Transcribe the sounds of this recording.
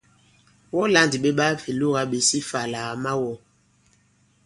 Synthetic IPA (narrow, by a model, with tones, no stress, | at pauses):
wɔ˦la˦ndi˨ɓe˦ɓa˦fe˨lo˦ɣa˦ɓe˨si˦fa˨la˨ma˦wɔ˦